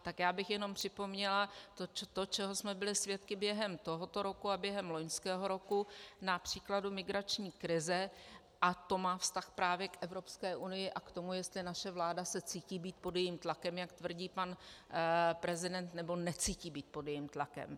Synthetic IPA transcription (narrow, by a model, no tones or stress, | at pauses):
t̪akjaːbɪxjɛno̞mpr̝̥ɪpo̞mɲɛlat̪ot͡ʃt̪ot͡ʃɛɦo̞smɛbɪlɪsvjɛt̪kɪbjɛɦɛmt̪o̞ɦo̞t̪o̞ɾo̞kuabjɛɦɛmlo̞ɲskɛːɦo̞ɾo̞kunapr̝̥iːkladumɪɡɾat͡ʃɲiːkɾɪzɛ | ʔat̪o̞maːfst̪axpɾaːvjɛkʔɛvɾo̞pskɛːʔunɪjɪʔakt̪o̞mujɛst̪lɪnaʃɛvlaːdasɛt͡siːciːbiːt̪̚podjɛjiːmt̪lakɛmjakt̪vr̩ɟiːpan | pɾɛzɪdɛnt̪nɛbo̞nɛt͡siːciːbiːt̪̚po̞djɛjimt̪lakɛ̰m